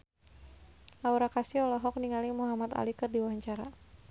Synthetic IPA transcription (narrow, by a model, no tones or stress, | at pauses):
lauɾakasiɔlɔɦɔk̚niŋalɪŋmuɦamat̪a̰likɨrdiwaɲt͡ʃaɾa